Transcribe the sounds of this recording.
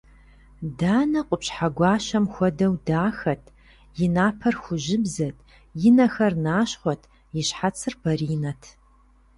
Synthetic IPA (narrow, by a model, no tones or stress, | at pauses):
daːnɐqʷʼʊpɕħaɡʷɑːɕɐmxʷɔdɐwdaːxɐtʰ | jɪnaːpʰɐrxʷʊʒɪbzɐtʰ | jɪnɐxɐrnaːɕχʷɔtʰ | jɪɕħat͡sʰɨrbɐriːnɐtʰ